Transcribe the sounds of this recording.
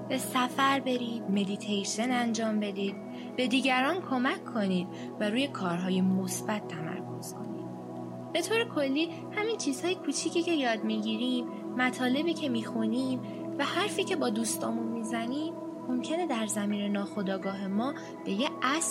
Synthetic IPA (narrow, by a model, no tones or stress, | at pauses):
b̥e̞sæfæɾbe̞ɾiːd̪̚me̞d̪it̪ʰejʃenænd͡ʒɒːmbe̞d̪iːd̪̥ | b̥e̞d̪iːɟæɾɒːnkʰo̞mæcʰːo̞niːd̪̚ | væɾuːje̞kʰɒːɾɦɒːje̞mo̞sb̥æt̪ʰːæmæ̰ɾkʰo̞̰z̥kʰo̞̰nḭːd̪̥̚ | b̥e̞t̪ʰoːɾekʰo̞lːiː | hæmint͡ʃʰiːz̥hɒːjekʰuːt͡ʃʰiːcʰiːce̞jɒːd̪miɟiːɾiːmː | æt̪ʰɒːle̞biːcʰe̞miːxuniːm | væhæɾfiːcʰe̞bɒːd̪uːst̪ʰɒ̰ːmunmizæniːmː | o̞mcʰe̞ne̞d̪æɾzæmiːne̞nɒːxo̞d̪ɒːɡɒːɦe̞mɒː | b̥e̞jeʔæs